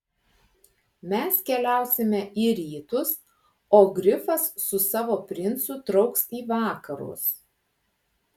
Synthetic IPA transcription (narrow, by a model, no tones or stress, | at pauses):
mʲɛskʲɛlʲæˑʊsʲɪmʲɛiːɾʲiːt̪ʊs | oːɡɾʲɪfɐsːʊsɑːʋoːpʲɾʲɪnt̪sʊt̪ɾɒʊksiːʋɑːkɐɾʊ̰s